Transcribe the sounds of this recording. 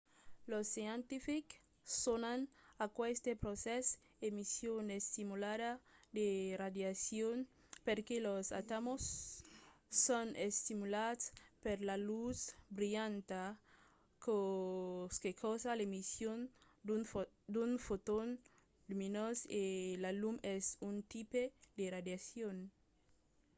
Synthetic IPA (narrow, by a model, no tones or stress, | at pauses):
losːjent̪ifik | sonanakwest̪epɾoses | emisjonest̪imuladad̪erad̪jasjon | peɾkelosa̰t̪amosː | onest̪imulaspeɾlalusbɾijant̪a | ko | skekʰosalemisjon | d̪un | d̪unfot̪on | luminoselalumesunt̪iped̪erad̪jasjon